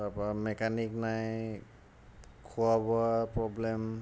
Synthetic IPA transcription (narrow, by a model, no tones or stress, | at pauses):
apamɛkʰaniknaj | kʰuabɔapɹɔblɛm